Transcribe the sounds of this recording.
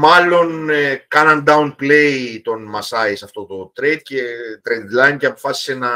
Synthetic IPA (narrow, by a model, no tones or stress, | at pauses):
mɐlo̞nkɐnɐnd̪ɐunple̞jit̪o̞nmɐsɐisɐft̪o̞t̪o̞t̪ɾed̪̥̚ce̞t̪ɾed̪lɐjnceɐpo̞fɐsi̥senɐ